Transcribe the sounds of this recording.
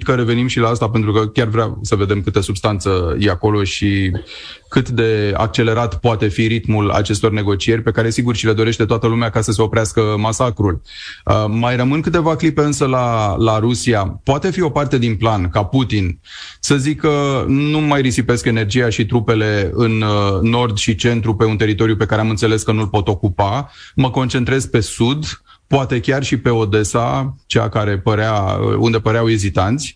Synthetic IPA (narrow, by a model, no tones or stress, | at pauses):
kəɾe̞ve̞nimʃilaːst̪ap̬ent̪ɾukəkʲarvɾʲasəve̞d̪e̞mkɨt̪əsubst̪ant̪səje̞ako̞lo̞ʃi | kɨt̪d̪e̞a̰k̚t͡ʃe̞le̞ɾat̪poat̪e̞fiɾit̪mula̰t͡ʃe̞st̪o̞rne̞ɡo̞t͡ʃie̞rʲpe̞kaɾe̞siɡurʃile̞d̪o̞ɾe̞ʃt̪e̞t̪oat̪əlumeakasəse̞o̞pɾeaskəmasakɾul | əmajrəmɨnkɨt̪e̞vaklipe̞ɨnsəlalaɾusiapoat̪e̞fio̞part̪e̞d̪inplankaput̪in | səzikːənumajrisipe̞ske̞ne̞rd͡ʒijaʃit̪ɾupe̞le̞ɨnːo̞rd̪ʃit͡ʃe̞nt̪ɾupe̞unt̪e̞ɾit̪o̞ɾiupe̞kaɾeamɨnt̪sele̞skənulpo̞t̪o̞kupaməko̞nt͡ʃe̞nt̪ɾe̞zpe̞sud̪ | poat̪e̞kʲarʃipe̞o̞d̪e̞sa̰t͡ʃea̰kaɾe̞pəɾea̰ṵnd̪e̞pəɾeawezit̪ant̪sʲ